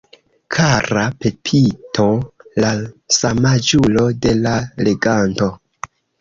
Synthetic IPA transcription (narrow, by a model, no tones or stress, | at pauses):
kʰaɾape̞pʰitʰo̞lasamad͡ʒulo̞de̞lale̞ɡanto̞